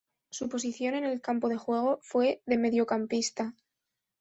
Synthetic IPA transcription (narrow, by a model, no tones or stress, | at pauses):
supo̞siθjo̞ne̞ne̞lkampo̞ðe̞xwe̞ɣ̞o̞fwe̞ðe̞me̞ðjo̞kampist̪a